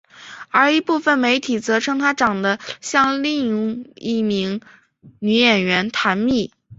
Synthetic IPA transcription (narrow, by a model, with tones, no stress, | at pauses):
ə˞˧˥i˧˥pu˥˩fə˨˩nme˧˥ɪt̪ʰi˨˩t͡sɤ˧˥ʈ͡ʂʰɤ˥ŋt̪ʰa˥ʈ͡ʂɑ˨˩ŋd̪ə˦ɕjɑ˥˧ŋli˥˩ŋḭ˥˩mi˧˥ŋ | ny˧˥jɛ˨˩nɥɛ˧˥nt̪ʰa˧˥nmi˥˩